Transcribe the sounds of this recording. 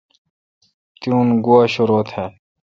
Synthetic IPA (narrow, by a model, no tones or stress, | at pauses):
t̪jũːnɡuaɕuɾoːt̪heː